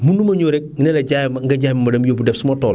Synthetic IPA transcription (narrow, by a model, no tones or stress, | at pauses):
munːumɐɲoɾek̚ŋinelɐɟajmŋɡaɟajmamɐdɐmjobudɛfsumotɔːl